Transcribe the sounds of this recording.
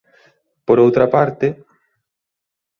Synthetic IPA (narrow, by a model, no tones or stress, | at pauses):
poɾowt̪ɾapaɾt̪ɪ